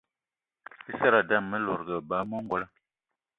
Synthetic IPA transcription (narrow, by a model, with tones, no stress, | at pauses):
i˦sa˦ɾa˨da˦˨mmə˦lo˨ɾɡə˨ba˨˦mo˦ŋ˦ɡwo˦la˦